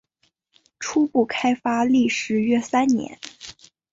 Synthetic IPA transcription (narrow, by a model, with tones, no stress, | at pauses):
ʈ͡ʂʰu˥pu˥˩kʰa˥ɪfa˥li˥˩ʂɻ̩˧˥ɥɛ˥sa˥nnjɛ̰˧˥n